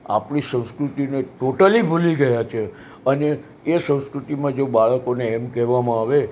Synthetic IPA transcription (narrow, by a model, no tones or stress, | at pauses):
a̰pɳisə̃w̃skɾut̪ineʈoʈəlibʱuliɡəjat͡ʃʰe | əneː | sə̃w̃skɾut̪imãd͡ʒobaɭəkoneːmkɛʋamãaʋe